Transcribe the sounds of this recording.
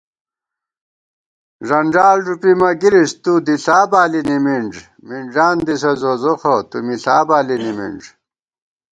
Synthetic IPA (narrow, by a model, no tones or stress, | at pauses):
ʐɐɳɖaːlʐupimɐɡiɾist̪ud̪iɬaːbaːlinimiɳd͡ʑ | miɳd͡ʑaːnd̪isɐzozoxot̪umiɬaːbaːlinimḭɳɖ͡ʐ